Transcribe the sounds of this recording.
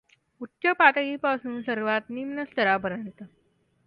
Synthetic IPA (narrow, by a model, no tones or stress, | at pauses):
utːɕəpaʈ̪əɡiːpasuːnsəɾʋat̪nimnəst̪əɾabəɾənt̪ə